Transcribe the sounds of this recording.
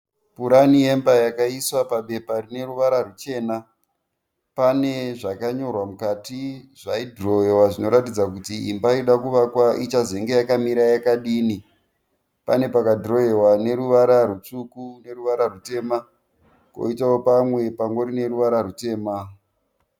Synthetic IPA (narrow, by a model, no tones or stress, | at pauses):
puɾanije̞mbajakaiswapaɓe̞parine̞ruʋaɾarut͡ʃe̞ːna | pane̞ʐakaɲo̞rwamukatiʐaidro̞jewaʐino̞ɾatid͡zakutiimbaiɗakuʋakwaʔit͡ʃazeŋɡe̞jakamiɾajakaɗiːni | pane̞pakadro̞je̞wane̞ɾuʋaɾaɾut͡ʂukune̞ruʋaɾarute̞ːma | ko̰itawopamwe̞paŋɡo̞ɾine̞ɾuʋaɾaɾute̞ːma